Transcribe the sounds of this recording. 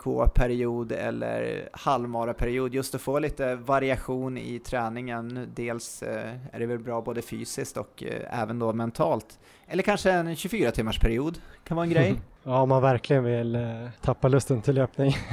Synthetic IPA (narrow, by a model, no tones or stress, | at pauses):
kʰo̰ːpʰæɾɪuːd̪ɛ̰lːə̰ɾhalvmɑːɾapʰæɾɪuːd̪jɵst̪ɔfoːliːt̪əvaɾɪaɧuːnɪ̰t̪ʰɾɛːnɪŋənd̪eːlsæ̰ɖɛvɛlbɾɑːboːd̪əfy̰ːsɪskt̪ɔkɛ̰ːvənd̪oːmɛnt̪ʰɑːlt̪ | ɛlːəɾkʰanʂəɛnɕɵfyːɾat̪ʰɪmːaʂpʰæɾɪuːd̪kʰanvɑːɛnɡɾɛjjɑːɔmːanvæɾklɪɡənvɪlt̪ʰapːalɵst̪ənt̪ʰɪlːøːpnɪŋ